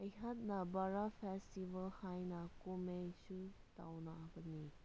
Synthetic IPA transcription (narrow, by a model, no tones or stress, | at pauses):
ɐjɦat̚nɐbaɾapʰestibɐlhajnɐkumejsuta̰wnaːbɐnːi